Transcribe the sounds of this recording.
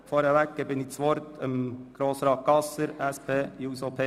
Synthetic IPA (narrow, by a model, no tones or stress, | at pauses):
fɔɾhɛʋɛk̚ɡ̥əbɪnɪt͡sʋɔɾt̪ʰəmɡ̥ɾoːsɾɑːt̪̚ɡ̥ɑsəɾɛspʰeːjuːsopʰeː